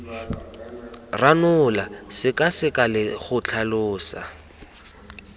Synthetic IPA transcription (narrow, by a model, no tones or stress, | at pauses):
ranʊlasɪkʼasɪkʼalɪχʊt͡ɬʰalʊːsa̰